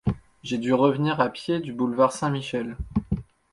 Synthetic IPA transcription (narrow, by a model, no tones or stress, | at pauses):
ʒed̪yʁəvniʁapjed̪ybulvaʁsɛ̃miʃɛl